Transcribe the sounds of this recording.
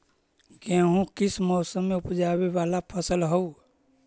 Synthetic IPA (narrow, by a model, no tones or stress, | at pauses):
kɛ̃ɦũkɪsmɔːsəmːeʊpd͡ʒaːbeʋaːlapʰəsəlɦɔu